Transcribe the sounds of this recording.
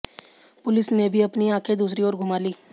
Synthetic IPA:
pʊlɪsnebʱiɐpniãːkʰed̪uːsɾioːɾɡʱʊmaːliː

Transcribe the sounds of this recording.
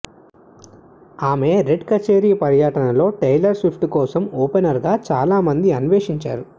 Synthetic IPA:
aːme̞ːɾeɖkɐt͡ʃeːɾiːpɐɾjɐʈɐnɐlo̞ːʈɐjlɐɾsʋipʰʈukɔːsɐmɔːpenɐɾɡaːt͡ʃaːlaːmɐnd̪iɐnuʋeːʂiɲt͡ʃa̰ːɾu

